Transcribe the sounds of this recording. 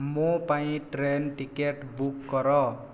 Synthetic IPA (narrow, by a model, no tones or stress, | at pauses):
mupaĩʈɾenʈikeʈbukːɔɾɔ